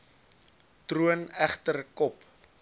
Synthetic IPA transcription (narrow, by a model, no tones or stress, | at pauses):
truənæχtərkɔp